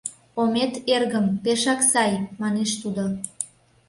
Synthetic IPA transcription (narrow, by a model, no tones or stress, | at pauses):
omet̪erɣəmpeʃɑksɑjmɑneʃt̪ud̪o